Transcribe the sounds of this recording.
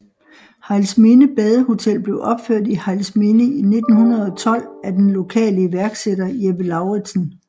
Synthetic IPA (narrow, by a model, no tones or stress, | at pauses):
hɑlsmenəb̥ɛːð̞ˠəho̝t͡sʰel̰b̥le̝ʊʔɒ̽b̥føɐ̰dihælsmenəine̝d̥n̩hunɐð̞̩ˠɒ̽t͡sʰɒ̽l̰æd̥enlo̝kʰɛ̰ːləiʋæɐɡ̥sedɐjebəlɑ̈ʊʁedsn̩